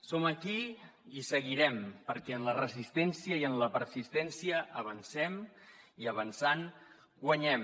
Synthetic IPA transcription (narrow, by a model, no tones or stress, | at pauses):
soməki | isəɣiɾɛmpəɾkɛənlərəzist̪ɛnsiəiənləpəɾsist̪ɛnsiəʔəβ̞ənsɛm | iəβ̞ənsan | ɡwəɲɛm